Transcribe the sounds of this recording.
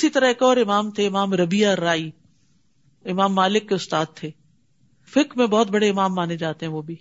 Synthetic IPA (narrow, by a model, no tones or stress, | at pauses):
ɪsit̪ɐɾəɦɪkɔːɾɪmaːmt̪ʰeɪmaːmɾɐbiaɾaːi | ɪmaːmːaːlɪkːeʊst̪aːd̪̚t̪ʰeː | fɪkɾmẽbɔːt̪bɐɽeɪmaːmːaːned͡ʑaːt̪eɦɛ̃ʋoːbi